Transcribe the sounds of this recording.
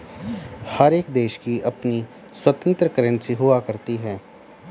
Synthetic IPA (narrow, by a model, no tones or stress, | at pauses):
həɾeːkd̪eːʃkiʔɐpni | swət̪ə̃nt̪ɾəkəɾənsiɦʊakəɾt̪iɦɛː